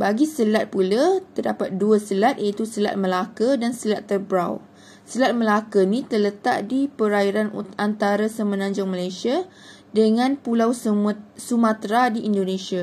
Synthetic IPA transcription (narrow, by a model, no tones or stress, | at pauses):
baɡisəlat̪̚pulat̪ərdapat̪̚duasəlat̪̚at̪usəla̰t̪̚məlakədansəlat̪ːərbɾaw | səlat̪̚məlakənĩt̪ərlət̪a̰ʔdipəɾaiɾanant̪aɾasəmənãɲd͡ʒʊŋmalajsia | dəŋãnpulawssumãt̪ɾadiʔindonẽsia